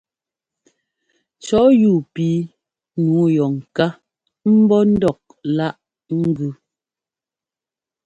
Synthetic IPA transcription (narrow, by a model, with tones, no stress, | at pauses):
t͡ʃɔ˨˦juː˦˨piː˨˦ | nuː˨˦jɔ˨ŋ̩˨ka˦ | m̩˦bɔ˦n̩˦dɔ˦˨k̚la˦ʔ | ŋ̩˦ɡʉ˦